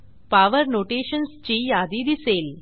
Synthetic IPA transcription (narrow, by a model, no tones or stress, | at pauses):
paʋəɾnoʈeɕənst͡ɕiːjad̪id̪iseːl